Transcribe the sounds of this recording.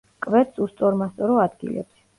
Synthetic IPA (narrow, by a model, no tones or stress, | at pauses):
kʼvɛt̪sust̪sʼɔɾmast̪sʼɔɾɔad̪ɡḭlɛ̰bs